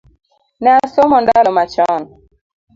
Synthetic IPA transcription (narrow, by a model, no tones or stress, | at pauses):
nɛasɔmɔndalɔmat͡ʃɔn